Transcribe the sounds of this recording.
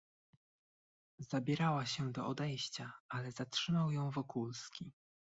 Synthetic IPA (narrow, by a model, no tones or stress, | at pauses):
zabʲɛɾawaɕɛd̪ɔɔd̪ɛjɕt͡ɕaalɛzatʂɘmawjɔ̃w̃vɔkulskʲi